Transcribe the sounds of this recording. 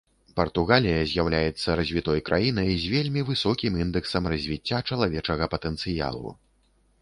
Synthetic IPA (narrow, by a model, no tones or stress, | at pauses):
pɐrt̪uɣalʲijɐzʲjawlʲajɛt̪sːɐɾɐzʲvʲit̪ɔjkɾʔajinɐjzʲvʲelʲmʲivɨsɔkʲimind̪ɛksɐmrɐzʲvʲit͡sʲːat͡ʂɐlˠavʲɛt͡ʂɐɣɐpɐt̪ɛnt̪sɨja̰lˠṵ